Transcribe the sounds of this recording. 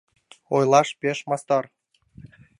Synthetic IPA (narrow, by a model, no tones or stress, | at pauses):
ojlˠɑʃpeʃmɑst̪ɑr